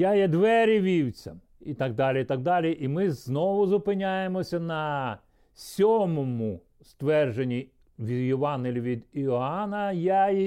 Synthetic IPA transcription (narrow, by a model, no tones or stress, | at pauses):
jajɛd̪ʋɛɾʲiʋʲiwt͡sʲɐ̰ | it̪ɑɡ̚d̪ɑlʲiit̪ɑɡ̚d̪ɑlʲiʔimɪznɔʋʊzʊpɪnʲajemɔsʲɐnɐ | sʲɔmɔmʊ | st̪ʋɛrʒenʲːi | ʋʲid̪jiʋɑnɦelʲiʋʲid̪iɔɑnɐjaj